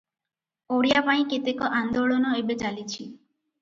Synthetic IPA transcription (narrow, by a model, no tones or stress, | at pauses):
oɽijapaĩkit̪ekɔʔand̪oɭɔnɔebet͡ʃalit͡ʃʰi